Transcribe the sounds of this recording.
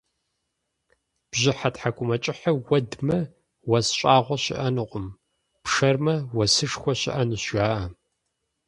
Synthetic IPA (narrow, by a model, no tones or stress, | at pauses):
b̥ʑɪħatħakʷʼʊmɐt͡ʃʼɪħɐwɐdmɐ | wɐsɕʼaːʁʷɔɕɪ̰ʔɐnɨqʷʼʊm | pʂɐrmɐwɐsɨʂxʷɔɕɪ̰ʔɐnɨɕaːʔɐ